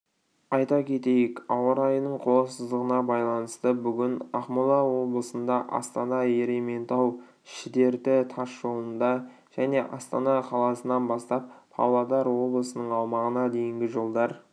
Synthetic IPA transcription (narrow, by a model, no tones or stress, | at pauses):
ɑjt̪ɑkʲʰe̞t̪e̞jɪkɑwəɾɑjənəɴqʰolˠəsəzd̪əʁənɑbɑjlˠɑnəst̪əbʏɡʲɪnɑχmulˠɑwo̞blˠəsənd̪ɑʔɑ̰st̪ɑnɑe̞ɾe̞me̞nt̪ɑw | ʃɪd̪e̞ɾt̪ɪt̪ʰɑʃʒo̞lˠənd̪ɑ | ʒ̥æne̞ʔɑst̪ɑnɑqʰɑlˠɑsənɑnbɑst̪ɑp̚ʰɑ̰wlˠɑd̪ɑɾwo̞blˠəsənəɴɑwmɑʁənɑd̪e̞jɪŋɡʲɪʒo̞lˠd̪ɑɾ